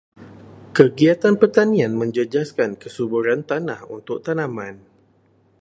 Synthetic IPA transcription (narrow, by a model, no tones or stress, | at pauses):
kəɡiat̪anpərt̪anĩãnmə̃ɲd͡ʒəd͡ʒaskankəsubuɾant̪anahṵnt̪ʊk̚t̪anãmãn